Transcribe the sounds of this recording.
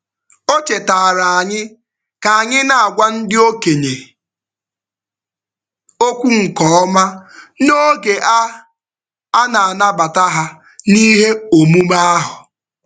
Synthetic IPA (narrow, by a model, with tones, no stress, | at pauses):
o˦t͡ʃe˨ta˨ɾa˨a˨ɲɪ˦ | ka˨a˨ɲɪ˦na˨a˨ɡʷa˦n̩˦dɪ˦o˦ke˨ɲe˨ | o˦kʷu˦ŋ̩˨kɔ˨˦ɔ˦ma˦no˦ɡe˨ʔa˦ | a˦na˨a˨na˦ba˨ta˦ɦa˦ | ni˦ɦe˦o˨mu˦ma˦a˦ɦʊ˨